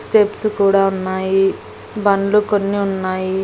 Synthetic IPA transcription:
sʈepskuːɽaːunːaːji | bɐnlukonːiunːaːji

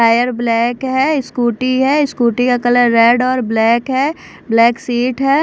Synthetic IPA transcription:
aːjəɾblɛːkɦɛɪskuːʈiɦɛɪskuːʈikakɐləɾːeːɖɔːɾblɛːkɦɛː | blɛːksiːʈɦɛː

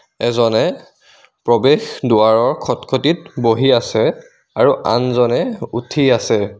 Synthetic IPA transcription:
ɛzɔnɛ | pɹɔbexduwaɹɔɹkʰɔtkʰotitboɦiasɛ | aɹuʔa̰nzɔnɛutʰiasɛ

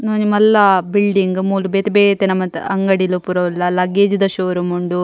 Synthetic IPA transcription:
noːnimɐlːɐbilɖiŋɡmuːlubet̪ibeːt̪enɐmɐt̪ɐŋɡɐɽilupuɾɐʋɐlːɐlɐɡeːd͡ʒid̪ɐʃoːɾumuɳɖu

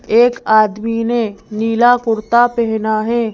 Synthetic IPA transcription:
eːkaːd̪mineniːlakʊɾt̪apɛɦnaɦɛː

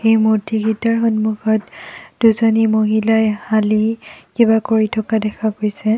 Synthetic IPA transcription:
xejmotiɡitaɹxɔnmuxɔtduzɔnimoɦilajhalikibakoɹitʰɔkadɛkʰakojsɛ

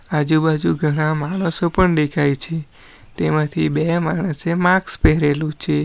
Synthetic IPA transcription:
ad͡ʒubad͡ʒuɡʱəɽ̃ãmaɽ̃osopəɳd̪ekʰajt͡ʃʰe | t̪emãt̪ʰibemaɳ̃əsemãkspɛɦɾelũt͡ʃʰe

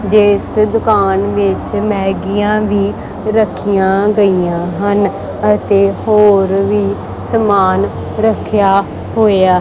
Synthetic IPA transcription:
d͡ʒɪsd̪ʊkaːnʋɪt͡ʃmɛːɡɪjãːʋiː | ɾəkʰːijãːɡəijãːɦən | ət̪eːhoːɾʋiː | səmaːn | ɾəkʰjaː | ɦoːeaː

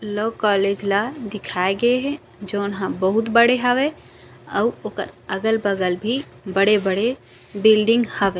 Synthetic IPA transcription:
lokɔled͡ʒlad̪ikʰaeɡeɦɛ | d͡ʒonɦãbəɦut̪bəɽeɦəbɛ | ə̰uokə̰ɾəɡəlbəɡəlbʱi | bəɽebəɽe | bilɖiŋɡhəbɛ

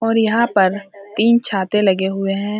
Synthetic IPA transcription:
ɔːɾjɐɦãpɐɾt̪iːnt͡ʃʰaːt̪elɐɡeɦʊeɦɛ̃ː

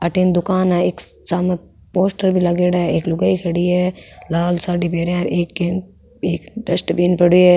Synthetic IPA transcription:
ɐʈiːnd̪ʊkaːnɛeːksaːmẽ | poːsʈəɾbʱilɐɡeːɽaeːklʊɡəikʰɐɽieːlaːlsaːɖipeːɾeaɾeːkːe | eːkd̪ɐsʈbiːnpɐɽue

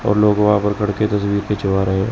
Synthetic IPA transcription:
ɔ̰ːɾloːɡʋãpəɾkʰɐɽket̪ɐswiːɾket͡ʃʊʋaɾɐɦẽ

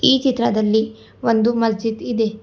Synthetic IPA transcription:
iːt͡ʃit̪ɾɐd̪ɐlːi | ʋond̪umɐsd͡ʒid̪id̪e

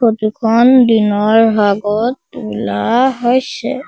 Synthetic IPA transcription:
ot̪ikʰɔndinɔɹɦaɡɔt̚ulaɦojsɛ̰

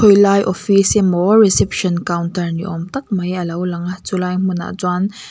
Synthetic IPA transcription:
ɔjlaːjʔɔfisɛmɔrisɛpʃɔnkawntərnḭʔɔmt̪ɐk̚mɐjʔəlɐwlɐŋat͡sulaːjm̥una̰ʔzwan

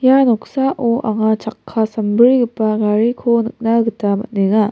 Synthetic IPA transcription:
janok̚saʔoʔaŋat͡ʃakʰːasambɯɾiɡɯpːaɡaɾikʰonɯk̚naɡɯtama̰t̚neŋa

